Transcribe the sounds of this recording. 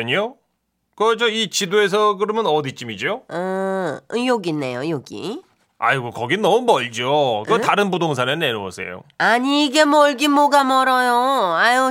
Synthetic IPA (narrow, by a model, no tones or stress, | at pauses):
ɲo | kʌd͡ʑʌit͡ɕidoes̬ʰʌkɯɾʌmjʌnʌdit͡ɕ͈imid͡ʑoʌ | joɡinːe̞̰jojoɡḭ | a̰iɡɯkʌɡinʌmumʌɭd͡ʑokɯtaɾɯnbudoŋs̬ʰaneneɾuwʌ̰sʰe̞̰jo̰aɲiːɡe̞mʌɭɡimoɡamʌɾʌjoajo